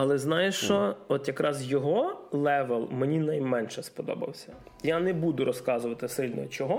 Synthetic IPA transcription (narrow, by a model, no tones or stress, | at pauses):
ɐlˠɛznɑjɪʃt͡ʃɔɔt̪jɐkɾʔɑzjɔɦɔlˠɛʋɛlˠmenʲinɐjmɛnʃɛspɔd̪ɔ̰bɐ̰wsʲɐ̥janɛbud̪ʊɾʔɔskɑzʊʋɐt̪ɪsɪlʲnɔ̰t͡ʃɔɦɔ